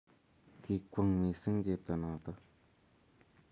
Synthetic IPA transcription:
ki˨kʷə˧˨ŋme˨sɨ˦ŋd͡ʒe˧˨p̚t̪ə˨nã˨t̪ə˦

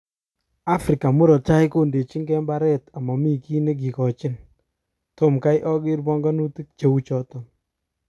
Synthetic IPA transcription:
a˦fɾi˨ka˨mu˦ɾɔ˨t͡ʃa˦jko˦˨nde˨t͡ʃi˦ŋɡɛ˦mba˦ɾɛ˦ta˨ma˨mi˦ki˦ne˦k̬i˨kɔ˨t͡ʃɪ˦n | to˦mka˦jʔɔ˦ɡɪ˦ɾbɔ˦ŋɡɔ˦nu˦ti˦k̚t͡ʃe˦u˦t͡ʃɔ˦tɔ˨m

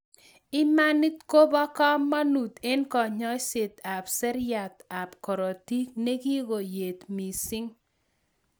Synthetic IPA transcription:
ɪ˦ma˦ni˦t̪ko˦bɔ˦kɔ˦mːa˦nu˨t̪e˦nkɔ˨ɲɔ˦sɪ˨t̪a˨psɛ˦ɾja˨t̪a˨pkɔ˨ɾɔ˨ti˦kne˦ɡi˦ɡo˨je˨t̪mi˨sɪ˦ŋ

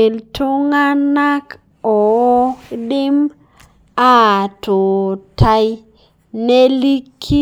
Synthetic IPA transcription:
e˨ltʊ˦ŋa˦na˦k | ɔ˨˦ | dɪ˦m | a˦˨tʊ˨tʰa˦j | ne˦li˦kʰːi˦

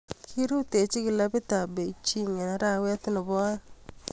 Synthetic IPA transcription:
kʰi˦ɾu˦te˨t͡ʃi˦kɪ˨la˦bɪ˦ta˨be˨t͡ʃi˦ŋe˨na˦ɾa˦˨wɛ˦tnɔ˨bɔ˦

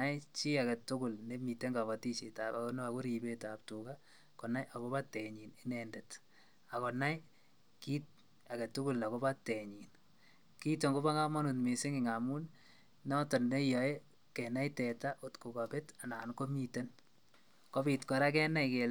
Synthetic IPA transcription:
a˦jt͡ʃi˦a˨kɛ˨tʊ˦kʊ˨lne˦mi˨te˦ŋɡa˨βa˨ti˦t͡ʃe˨ta˨pako˦no˦a˨ko˦ɾi˨be˦ta˨p̚tuka˦ | kɔ˨na˦jʔa˨ko˦ba˦tɛ˨ɲi˨nɪ˦nɛndɛ˨t | a˨kɔ˨na˦j | ki˦t̚ | a˨kɛ˨tu˦kʊ˦lːa˨ko˦ba˦te˨ɲi˨n | ki˦to˨ŋɡo˦ba˦ŋa˦ma˦nu˨tme˨sɪ˦ŋɪ˨ŋa˨mu˦n | nɔ˦tɔ˨nde˦jɔ˨e˦ | kɛ˨na˦jtɛ˨ta˦ʔo˨tku˨ka˨pe˦ta˨na˨nko˦mi˨te˦n | ko˦bi˨tkɔ˨ɾa˦kɛ˦na˦ike˨l

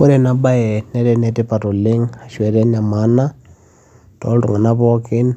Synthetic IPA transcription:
o˦ɾɛ˨na˦ba˦ɛ˨nɛ˦ɾɛ˨nɛ˨tɪ˦pa˨tɔ˨lɪ˦ŋa˨ʃwɛ˨ɾɛ˦na˨ma˦na˦ | tɔ̰˨˦ltʊ̰˨ŋa˨na˦pɔ˦kɪ˦n

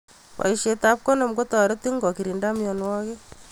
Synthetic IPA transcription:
wa̰˨iʃe˨ta˦p̚ko˦no˨mɡo˦ta˨ɾe˦ti˦ŋɡɔ˨ki˨ɾi˨nda˦mjɔ˨nwɔ˦ɣe˦

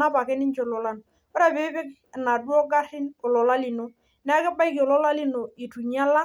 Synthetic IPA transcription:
a˦pa˨kɛ˦nɪ˦ɲt͡ʃo˦lo˨la˦n | wɔ˦ɾa˦˨be˦bɪ˦k | na˨du˦ɔ˦ɡa˦ɾɪ˦no˨lɔ˨la˦li˨no˦ | n˦a˦kɛ˦ba˦jko˨lɔ˦la˦li˦no˨i˨tu˨ɲa˦la˦

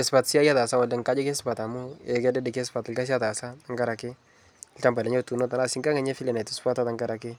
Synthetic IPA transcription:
ɛ˨spa˨tsi˦a˦ja˦ta˨sa˦wa˨ldɛ˨ŋka˦d͡ʒɔ˦ke˦spa˨ta˨mu˦ɛ˨kɛ˦dɛ˦dɛ˨ke˦spa˨tɪ˨lka˦s̬a˦ta˨sa˦a˦ŋɡa˦ɾa˨kɪ˦˨ | lt͡ʃa˦mba˨dɛ˨˦ɲo˦tu˨no˦ta˨na˦si˦ŋka˦ŋa˨˦ɲe˦fi˦lɛ˨na˨tu˦spa˦ta˦ta˨ŋɡa˦ɾa˨kɪ˦

